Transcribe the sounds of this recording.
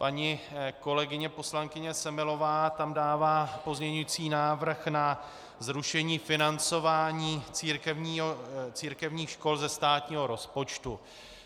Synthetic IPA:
paɲɪko̞lɛɡɪɲɛpo̞slaŋkɪɲɛsɛmɪlo̞vaːt̪amdaːvaːpo̞zɲɛɲujit͡siːnaːvr̩xna | zɾuʃɛɲiːfɪnant͡so̞vaːɲiːt͡siːɾkɛvɲiːot͡siːɾkɛvɲiːxʃko̞lzɛst̪aːt̪ɲiːɦo̞ɾo̞spo̞t͡ʃt̪u

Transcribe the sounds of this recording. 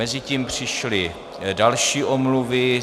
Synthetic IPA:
ɛzɪciːmpr̝̥ɪʃlɪ | dalʃiːʔomluvɪ

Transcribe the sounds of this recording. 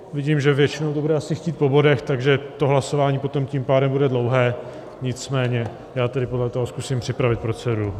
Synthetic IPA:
vɪɟiːmʒɛvjɛt͡ʃɪno̞wt̪obudɛasɪxciːt̪̚po̞bo̞dɛxt̪aɡʒɛt̪o̞ɦlaso̞vaːɲiːpot̪o̞mcimpaːdɛmbudɛdlo̞wɦɛː | ɲɪt͡smɛːɲɛ | jaːt̪ɛdɪpo̞dlɛt̪oɦoskusimpr̝̥ɪpɾavɪt̪̚pɾot͡sɛɾu

